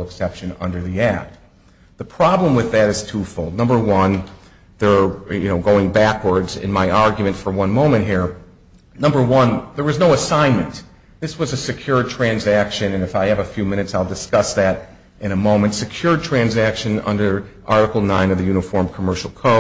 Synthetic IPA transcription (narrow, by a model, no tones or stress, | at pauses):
l̩ˠəksɛpʃɨ̃nʌ̰̃ndə˞ðiæk̚t̚ | ðəpʰɹ̥ɑblə̃mwɨðɨɾɨz̥tʰufoʊlˠdⁿnʌ̃mbə˞wʌ̃n | ðə˞jɨ̰noʊɡoʊɪ̃ŋbækwə˞dzɪ̰̃nmaɪʔɑɹɡjmɨ̃ntfə˞wʌ̃nmõʊ̃mɨ̃nt̚ɦiɹ | nʌ̃mbə˞wʌ̃nðə˞wʌznoʊəsãɪ̃nmɨ̃n | ðɪswʌzɨsɨkʰj̥ʊɹ̚tʰɹ̥æ̃nzækʃɨ̃nɨ̃nɨfaɪɨvɨfjʉmɪ̃ñɨtsaɪlˠdɨskʌsðɨɾ | ʔɨ̃ñəmõʊ̃mɨ̃ntsɨkʰj̥ʊɹd̚tʰɹ̥æ̃nzækʃɨ̃nʌ̰̃ndə˞ | ʔɑɹɾɨkl̩ˠnãɪ̃nʌvðɨjʉnɨfɔɹmkʰəmɜ˞ʃl̩ˠkʰoʊ